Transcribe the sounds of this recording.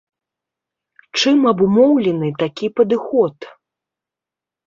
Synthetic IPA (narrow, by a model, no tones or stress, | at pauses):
t͡ʂɨmɐbumɔwlʲɛnɨt̪akʲipɐd̪ɨxɔt̪